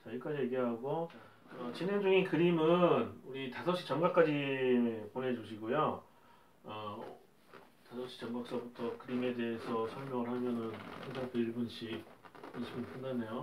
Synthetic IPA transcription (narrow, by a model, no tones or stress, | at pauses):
t͡ɕaik͈ad͡ʑije̞ɡiɦaɡo | ʌt͡ɕinend͡ʑuŋikɯɾimɯnuɾitasʰʌɕ͈i̥t͡ɕʌŋɡak͈ad͡ʑipone̞d͡ʑuɕ̬ʰiɡojo | ʌ | tasʰʌɕ͈i̥t͡ɕʌŋɡaks͈ʌbutʰʌkɯɾime̞de̞ɦesʰʌsʰʌɭmjʌŋɯɭhamjʌnɯnpʰand͡ʑʌŋpeɭbɯnɕ͈ʰiinɕʰimɯnp͈ʰɯndanejo